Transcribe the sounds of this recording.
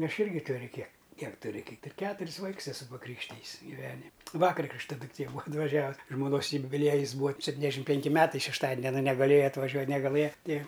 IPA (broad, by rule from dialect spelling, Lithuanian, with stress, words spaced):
ˈɐʃ ˈɪrʲɡʲɪ ˈtʊrʲʊ kʲiɛk ˈkʲiɛk tʊˈrʲɪ ˈkɐɪp ɪr ˈkʲæːtʊrʲɪs ˈʋɐɪks ɛˈsʊ sʊ pɐˈkrʲiːkʃʲtʲɪjɪs ɡʲɪˈʋʲæːnʲɪmʲ ˈʋɑːkɐr ˈkrʲɪkʃtɐ dʊkˈtʲeː ˈbuːɐ ɐtʋɐˈʒʲæːʋʊs ʒmoːˈnoːs jʊbʲɪˈlʲiɛjɪs ˈbuːɐ sʲɛpʲˈtʲiːnʲɛzʲˌdʲæːʃʲɪm ˈpʲɛŋʲkʲɪ ˈmʲæːtɐɪ ʃʲɛʃˈtɑːdʲɪn ɐˈnɐ nʲɛɡɐˈlʲeːjɛ ɐtʋɐˈʒʲuɔ nʲɛɡɐˈlˠɘjɛ ˈtʲɪ